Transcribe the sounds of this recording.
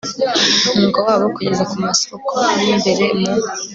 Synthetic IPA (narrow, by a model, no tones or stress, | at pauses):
umuŋɡowaːβoukuɟezekumasokʰonimbeɾemo